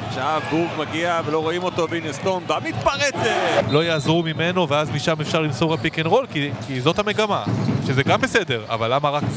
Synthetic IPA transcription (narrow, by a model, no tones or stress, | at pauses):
ʃaavɡufmaɡiavelo̞ʁo̞imo̞t̪obinest̪onbamit̪paʁet͡selo̞jaːzʁumime̞no̞veazmiʃamefʃaʁlimsoʁepikenʁo̞lkikizo̞t̪hame̞ɡamaʃezeɡambese̞de̞ʁa̰valːamaʁak